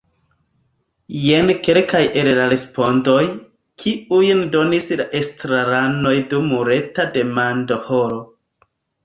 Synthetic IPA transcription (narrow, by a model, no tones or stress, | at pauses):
jenkelkajʔe̞llaɾe̞spo̞ndo̞j | kʰiujndo̞nislaʔestɾaɾano̞jdumːuɾe̞tade̞mando̞hoɾo